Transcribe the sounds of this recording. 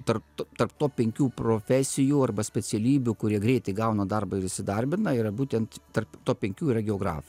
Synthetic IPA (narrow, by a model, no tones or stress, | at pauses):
t̪ɐrpt̪ot̪ɐrp̚t̪oːpʲɛŋʲkʲuːpɾoːfʲæːsʲɪjuːɐrbɐsʲpʲɛsʲɛlʲiːbʲʊkʊɾʲiɛɡɾʲɛɪt̪ʲɛɪɡɐʊnɐd̪ɐrbɐɪɾɪsʲɪd̪ɐɾʲbʲɪnɐiːɾɐbuːt̪ʲɛnt̪t̪ɐrpt̪oːpʲɛŋʲkʲuːiɾɐɡʲɛoːɡɾɑ̰ːf